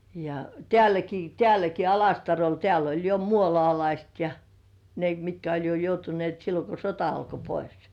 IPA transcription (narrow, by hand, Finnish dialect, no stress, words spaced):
jɑ tĕæˑlæki tĕæˑlæki ɑlɑstɑrol teæl olʲ jo muolŏɑˑlɑist jɑ ne mitkæ olʲ jo joutunĭeˑt silːo ko sotɑ ɑlko pois